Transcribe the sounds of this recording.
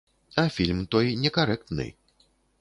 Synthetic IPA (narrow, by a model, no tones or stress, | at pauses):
ɐfʲilʲmt̪ɔjnʲɛkaɾɛk̚t̪nɨ̰j